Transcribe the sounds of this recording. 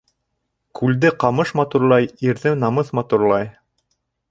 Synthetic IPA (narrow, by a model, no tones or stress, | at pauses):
kʉld̪ɘqɑmɤʃmɑt̪uɾlˠɑjiɾðɘnɑmɤθmɑt̪uɾlˠɑj